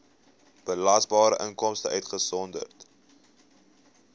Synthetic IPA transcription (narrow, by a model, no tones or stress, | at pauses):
b̥əlɐsbɑːɾəʔəŋkɔmstəœtχəsɔndə̰rt